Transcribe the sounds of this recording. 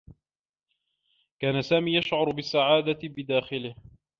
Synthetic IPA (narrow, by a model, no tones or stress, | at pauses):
kaːnasaːmiːjaʃʕʊɾbɪsːaʕaːd̪aɪbɪd̪aːxɪlɪh